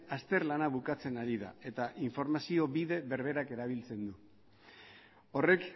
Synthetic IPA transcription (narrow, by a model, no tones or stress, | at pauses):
ast̪e̞ɾlanaβ̞ukat͡se̞naɾiða̰e̞t̪aʔiɱfo̞ɾmasio̞βiðe̞βe̞ɾβ̞e̞ɾake̞ɾaβ̞ilt͡se̞nd̪u | o̞re̞k